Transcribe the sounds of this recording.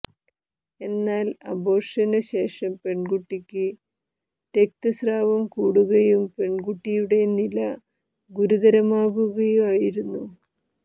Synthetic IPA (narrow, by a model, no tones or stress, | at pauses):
e̞nːaːlɐ̰bo̞ːrʂɐnɨɕe̞ːʂɐmpe̞ɳɡuʈːikʲːɨ | t̪ek̚t̪ɐsraːʋɐmkuːɽuɣɐjumpe̞ɳɡuʈːijuɽe̞nilɐ | ɡuɾuðɐɾɐmaːɣuɣɐjumaːjiɾunːu